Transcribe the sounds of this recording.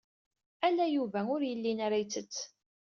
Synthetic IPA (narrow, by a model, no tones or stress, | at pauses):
ælæjuvæʊɾjəlːinaɾajt͡sːət͡sː